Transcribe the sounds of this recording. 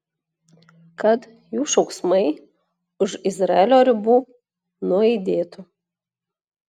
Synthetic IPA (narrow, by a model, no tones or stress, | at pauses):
kɐt̪ | juːʃɒʊksmɐɪ | ʊʃɪzɾɐɛlʲoːɾʲɪbuː | nʊɛɪd̪ʲeːt̪ʊ